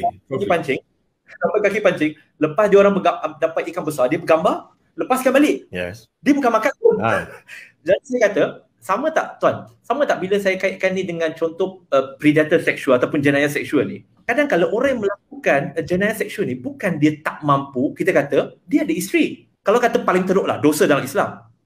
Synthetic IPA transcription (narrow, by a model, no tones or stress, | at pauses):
kipaɲt͡ʃɪŋ | apakakipaɲt͡ʃɪŋ | ləpasdiəoɾaŋbəɡadampat̪̚ikanbəsadiəbəɡambar | ləpaskanbalɪʔj̰ | diəbukanmakanpʊn | d͡ʒadisajəkat̪ə | samət̪a̰ʔt̪uansamət̪aʔbiləsajakaɪʔkanːidəŋãnt͡ʃɔnt̪ɔʔəpɾidat̪ərsɛk̚ʃulat̪awpʊnd͡ʒənajasɛk̚ʃuəlni | kadaŋkalawʔoɾaŋjaŋməlak̚ukand͡ʒənajasɛk̚suəlnibukandiət̪aʔmãmpukit̪əkat̪ədiaʔdiist̪ɾi | kalawkat̪əpalɪŋt̪əɾoʔla̰hdosədalamisla̰m